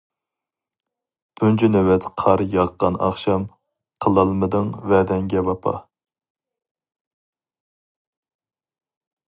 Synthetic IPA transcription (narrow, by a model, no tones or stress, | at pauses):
d̪̥ʰunt͡ʃʰinɛwɛt̪qʰɑɾjɑʁqːɑnʔɑ̰χʃɑm | qʰəlˠɑlˠmɨd̪ɨŋvɛd̪ɛŋɡʲɛvɑpʰɑ̰